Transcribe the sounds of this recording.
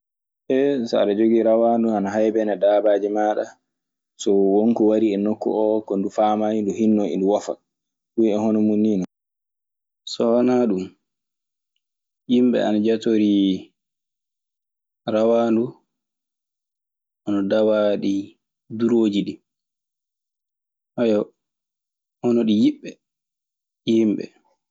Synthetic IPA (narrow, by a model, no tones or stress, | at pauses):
ʔɛsa̰ɗɛd͡ʒoɡiɾawanduanaɦajbɛnadabaːd͡ʒimaɗa̰ | sɔwɔŋkɔwaɾiɛnokːɔ̰ɔkɔndufaːmainduhinːɔḭnduwafa̰ | ɗuɛhɔnɔmunːiːnɔ | sɔanaɗum | jimɓɛ̰a̰nad͡ʒatoɾi | ɾawaːndu | ʔanɔdawaɗi | duɾoːd͡ʒiɗi | ʔajɔ | hɔnɔɗijiɓːɛ | jimɓɛ̰